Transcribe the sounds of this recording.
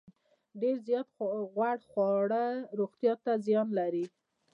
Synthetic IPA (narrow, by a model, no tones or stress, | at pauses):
ɖeɾzjɑt̪ɣwaɽxwɑɽəɾoɣt̪jɑt̪azjɑnlaɾi